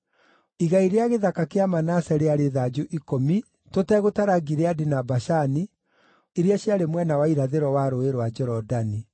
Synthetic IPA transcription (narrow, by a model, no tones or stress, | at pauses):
iɣaiɾeaɣeðakakeamanasɛɾeaɾeðad͡ʒuʔikomi | totɛɣotaɾaɡiɾeadinabaʃani | eɾeaɕjaɾemwɛnawaiɾaðeɾɔwaɾoeɾwad͡ʒɛɾɔdani